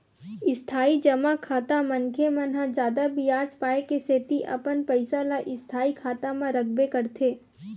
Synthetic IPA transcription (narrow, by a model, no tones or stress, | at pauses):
ɪst̪ʰaːid͡ʒɐmakʰaːt̪amɐ̃nkʰemãnɦãd͡ʒjaːd̪abʱijaːd͡ʒpaːekeseːt̪iʔɐ̰pənpəɪsalaʔɪst̪ʰaːikʰaːt̪amãɾɐk̚ʰbekɐɾt̪ʰeː